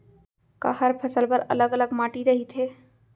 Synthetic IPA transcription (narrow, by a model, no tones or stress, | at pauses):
kə̰həɾpʰəsəlpəɾə̰ləɡələɡmaʈiɾəɦit̪ɦe